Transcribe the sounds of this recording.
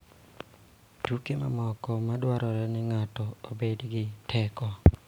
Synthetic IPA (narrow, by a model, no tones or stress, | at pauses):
tukema̰mɔkɔmadwaɾɔɾɛnɪŋatɔobedɡɪtʰɛkɔ